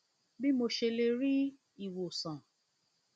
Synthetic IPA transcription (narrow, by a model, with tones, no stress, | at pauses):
bi˦mo˧ʃe˧le˧ɾi˦ | i˦˨wo˨sã˨